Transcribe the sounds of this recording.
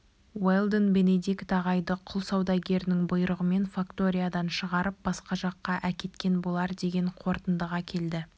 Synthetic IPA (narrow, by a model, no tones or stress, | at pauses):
welˠd̪ənbe̞ne̞d̪ikt̪ɑʁɑjd̪əqʰʊlˠsɑwd̪ɑɡʲe̞ɾɪnɪŋbʊjɾəʁəme̞nfakt̪o̞ɾʲijad̪ɑnʃəʁɑɾəp̚b̥ɑsqɑʒɑqːɑʔækʲe̞t̪kʲe̞nbolˠɑɾd̪e̞ɡʲe̞ɴqʰo̞ɾt̪ənd̪əʁɑkʲʰe̞ld̪ɪ